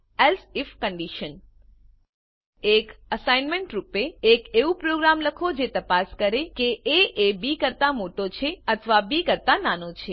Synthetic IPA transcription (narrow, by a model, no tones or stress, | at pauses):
ɛlsifkəɳɖiʃən | ekəsajnmeɳʈɾupeːkeʋũpɾoɡɾamləkʰod͡ʒet̪əpaskəɾekeʔeʔebikəɾt̪amoʈot͡ʃʰeət̪ʰʋabikəɾt̪ananot͡ʃʰe